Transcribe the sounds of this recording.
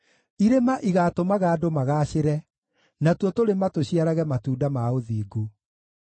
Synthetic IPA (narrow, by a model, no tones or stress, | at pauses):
iɾemaʔiɣaːtomaɣaːdomaɣaːɕeɾɛ | natwɔtoɾematoɕiaɾaɣɛmatuːdamaoðiːɡo